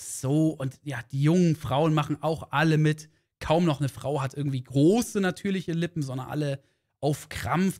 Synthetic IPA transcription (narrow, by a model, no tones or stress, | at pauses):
z̥oːʔʊntjaːd̥iːjʊŋənfʁ̥aʊənmaχn̩ʔaʊxʔaləmɪt | kʰaʊmnɔχnəfʁ̥a̰ʊɦatʔɪɐɡŋ̩tv̥iːɡʁoːsənatʰyːɐlɪçəlɪpm̩zɔndɐnʔa̰lə | ʔaʊfkʁ̥a̰mf